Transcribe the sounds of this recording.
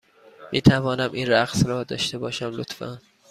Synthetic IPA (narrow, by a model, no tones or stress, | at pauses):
miːt̪ʰævɒːnæmʔiːnɾæɣsɾɒːd̪ɒ̰ːʃt̪e̞bɒːʃæmlot̪fæ̰n